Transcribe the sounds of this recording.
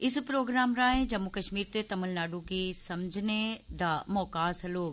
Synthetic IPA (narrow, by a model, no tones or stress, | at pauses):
ɪspɾoːɡɾaːmɾaːɦẽd͡ʒɐmːukɐʃmiːɾt̪et̪ɐməlnaːɖũkisɐmd͡ʒʱned̪amɔːkaːsɐloː